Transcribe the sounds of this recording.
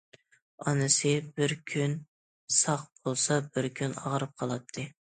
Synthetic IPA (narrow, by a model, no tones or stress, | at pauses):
ɑnɨsɨbɪɾkʲʰyn | sɑq̚b̥olˠsɑbɪɾkʲʰynɑ̰ʁɾɨp̚qʰɑlˠɑt̪ʰːɨ